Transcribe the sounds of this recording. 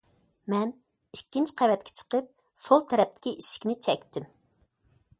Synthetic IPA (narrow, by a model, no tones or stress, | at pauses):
mɛn | ikʲːint͡ʃqʰævɛt̪̚kʲʰɛ̥t͡ʃʰə̥qəp̚ | solˠt̪ʰɛɾɛp̚t̪ʰɪ̥kʲiʔiʃi̥kʲnɪt͡ʃʰɛkʲt̪ʰɪm